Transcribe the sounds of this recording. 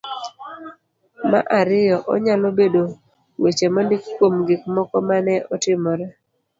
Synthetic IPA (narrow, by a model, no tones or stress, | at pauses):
ma̰ʔaɾɪjɔʔɔ̰ɲalobedo | wet͡ʃemɔndɪkkːwomɡɪkmɔkɔmanɛʔɔtɪmɔɾɛ